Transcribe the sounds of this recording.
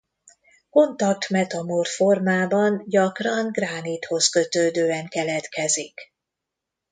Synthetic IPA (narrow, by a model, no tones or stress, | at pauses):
ko̞nt̪ɒk̚t̪mɛt̪ɒmorfo̞rmaːbɒnɟɒkrɒŋɡraːnit̪ho̞skø̞t̪øːd̪øːɛŋkɛlɛt̪kɛzik